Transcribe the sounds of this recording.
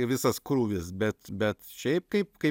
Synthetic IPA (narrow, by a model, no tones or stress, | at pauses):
ʋʲɪsɐskɾuːʋʲɪsbʲɛt̪bʲɛt̪ʃʲɛɪp̚kɐɪpkɐɪ